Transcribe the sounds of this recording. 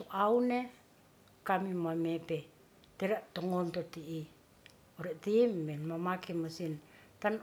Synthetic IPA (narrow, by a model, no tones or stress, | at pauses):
toʔawne | kamimuamepe | teɾaʔtoŋontotiʔi | oɾetimːenmamakemasintan